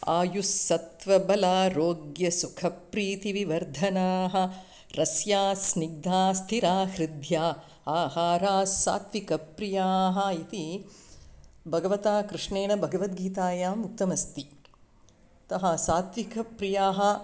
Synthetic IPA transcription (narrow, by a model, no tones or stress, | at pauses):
a̰ːjusːɐt̪ʋɐbɐlaːɾoːɡjɐsukʰɐpɾiːt̪iʋiʋɐɾd̪ʱɐnaːɦɐ̆ | ɾɐsjaːsniɡ̚d̪aːst̪ʰiɾaːhɾid̪ʱjaː | aːhaːɾaːsa̰ːt̪ʋikɐpɾijaːɦɐ̆it̪i | bʱɐɡɐʋɐt̪aːkɾɪʂɳeːɳɐbʱɐɡɐʋɐt̪ɡiːt̪aːjaːmuk̚t̪ɐmɐst̪i | t̪ɐɦɐsaːt̪ʋikɐpɾijaːɦɐ̆